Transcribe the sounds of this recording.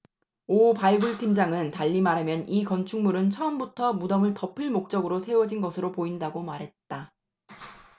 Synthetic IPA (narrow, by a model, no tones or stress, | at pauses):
opaɭɡɯɭtʰimd͡ʑaŋɯntaʎːimaɾɯmjʌnikʌnt͡ɕʰuŋmuɾɯnt͡ɕʰʌʌmbutʰʌmudʌmɯɭtʌpʰɯɭmok̚t͡ɕ͈ʌɡɯɾosʰe̞wʌd͡ʑinɡʌsʰɯɾopoindaɡomaɾɦe̞t̚t͈a